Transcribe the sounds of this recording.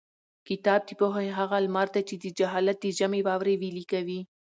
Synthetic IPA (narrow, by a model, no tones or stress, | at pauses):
kɪt̪ɑb̚d̪ipoɦajɦaɣalmɑɾt̪at͡ʃed̪əd͡ʒaɦɑlat̪̚d̪əd͡ʒamewɑwɾewilikawi